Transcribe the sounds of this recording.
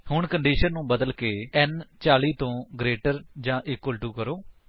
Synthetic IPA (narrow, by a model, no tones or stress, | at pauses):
hʊɳkəɳɖiːʃənːũːbəd̪əlkeːɛnt͡ʃaːliːt̪õːɡɾeːʈəɾd͡ʒãːʔɪkːəlʈuːkəɾoː